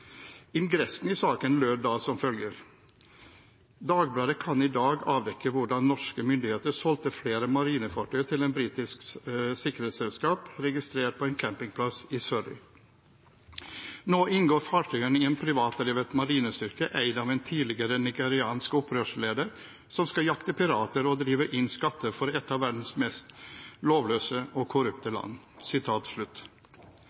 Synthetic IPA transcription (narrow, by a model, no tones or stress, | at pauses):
ɪnɡɾɛsnɪsɑːkənløːd̪ɑːsɔmfœljəɾ | d̪ɑːɡblɑɾəkʰɑnɪd̪ɑːɡɑːʋd̪ɛkːəʋʊɖɑnːɔʂkəmʏnd̪ɪheːt̪əʂɔlt̪əfleːɾəmɑɾiːnəfɑʈʰœʏt̪ʰɪlɛeːnbɾiːt̪ɪsksɪkːəɾheːt̪sɛlskɑːpɾɛɡɪst̪ɾeːʈ̚pʰɔɛːnkʰæmpɪŋpʰlɑsɪsœɾɪ̰ | noːʔɪnɡoːɾfɑːʈʰœːənɪɛːnpʰɾɪʋɑːt̪əɾɛːʋət̪mɑɾiːnəst̪ʏɾkəʔæɪd̪ɑːʋɛːnt̪ʰiːdlɪɡəɾənɪɡəɾɪɑːnskɔpɾøːʂleːd̪əɾ | sɔmskɑjɑkt̪əpɪɾɑːt̪əɾɔd̪ɾiːʋəʔɪnskɑt̪ʰːəfɔɾɛt̪ːɑːʋæɖn̩smɛst̪loːʋløːsəʔɔkʰʊɾʉpt̪əlɑ̰nː | sɪt̪ʰɑːt̪sɭʉt̪ː